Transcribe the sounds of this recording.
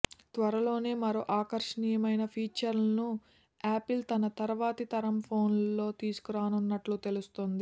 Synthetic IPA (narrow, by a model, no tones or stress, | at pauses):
t̪ʋɐɾɐlo̞ːne̞ːmɐɾoːʔaːkɐɾʂɐɳiːjɐmɐjnɐpʰiːt͡ʃɐɾlɐnu | aːpilt̪ɐnɐt̪ɐɾʋaːt̪it̪ɐɾɐmpʰo̞ːnlo̞ːt̪iːsu̥kuɾaːnunːɐʈlut̪e̞lust̪ond̪i